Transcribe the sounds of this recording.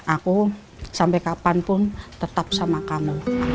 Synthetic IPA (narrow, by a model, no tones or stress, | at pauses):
ʔaku | sampɛkapanpʊnt̪ət̪ap̚samakamu